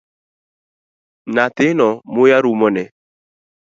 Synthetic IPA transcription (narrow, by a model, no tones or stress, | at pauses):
natenɔmojaɾumɔnɛ